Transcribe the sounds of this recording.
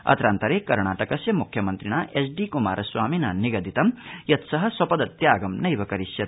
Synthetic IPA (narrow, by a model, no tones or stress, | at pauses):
ɐ̰t̪ɾaːnt̪ɐɾeːkɐɾɳaːʈɐkɐsjɐmukʰjɐmɐnt̪ɾiɳ̃aːʔesɖiːkuma̰ːɾɐswaːminaːniɡɐd̪it̪ɐmjɐt̪sɐɦɐ̆swɐpɐd̪ɐt̪jaːɡɐmnɐjbɐkɐɾisjɐt̪